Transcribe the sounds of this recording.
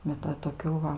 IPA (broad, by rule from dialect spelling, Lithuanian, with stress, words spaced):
bʲɛt ˈʋɐ toːˈkʲuː ʋɐ